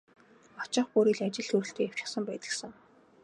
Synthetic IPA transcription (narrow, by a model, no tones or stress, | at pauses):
ɔt͡ɕɪ̆ɴχpuːɾiːɮat͡ɕɪ̆ɮt̪ʰuɾɘ̆ɬt̪ʰeːjaw̥t͡ɕɪ̆χsə̆mpæːt̪ə̥̆ksə̆ŋ